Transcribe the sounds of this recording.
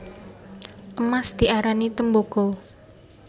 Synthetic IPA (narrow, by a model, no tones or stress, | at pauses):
ʔəmasd̪̥i̤ʔaɾanit̪əmboɡ̥o